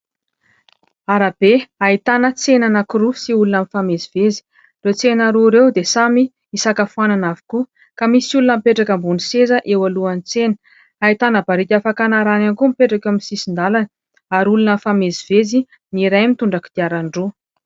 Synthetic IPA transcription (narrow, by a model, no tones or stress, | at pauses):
aɾab̥eait̪anət͡senanakuɾusiulunamifameziv̥ezi̥ | ret͡senəɾuɾewd̪esami | isakafuananavi̥ku | kamisiulunəmipeʈ͡ʂakambunisezəʔewaluanit͡senə̥ | ait̪anəbaɾikʲafakanaɾanankumipeʈ͡ʂakewaminisisind̪alanə | aɾulunəfamezivezi | niɾajmit̪uɳɖ͡ʐaki̥d̪̥iaɾaɳɖ͡ʐu